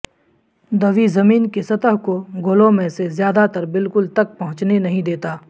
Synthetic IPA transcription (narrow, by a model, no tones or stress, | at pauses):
d̪ɐʋizɐmiːnkesɐt̪əɦkoɡʱolõmẽsezjaːd̪at̪ɐɾbɪlkʊlt̪ɐk̚pɐɦʊ̃t͡ʃnenɐɦĩd̪eːt̪aː